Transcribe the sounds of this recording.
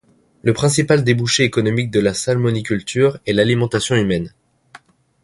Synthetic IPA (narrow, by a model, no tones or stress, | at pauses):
ləpχɛ̃sipald̪ebuʃeːkɔnɔmik̚d̪əlasalmɔnikʲylt̪ʰyʁɛlalimɑ̃t̪asjɔ̃ymɛn